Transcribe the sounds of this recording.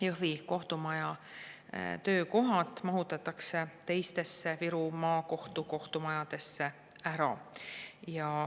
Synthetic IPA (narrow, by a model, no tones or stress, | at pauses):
jɤviko̞ht̪umɑjɑ | t̪ø̞ːko̞ɦɑt̪ˑmɑɦut̪ːˑɑt̪ːˑɑkse̞t̪e̞jst̪e̞sːeviɾumɑːko̞ht̪uko̞ht̪umɑjɑd̪̥e̞sːe̞ | æɾɑ̰ | jɑ